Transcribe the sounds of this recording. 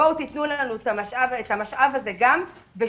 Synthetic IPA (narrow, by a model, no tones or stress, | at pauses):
owt̪it̪nulanut̪amaʃʔavet̪hamaʃʔavaze̞ɡam | be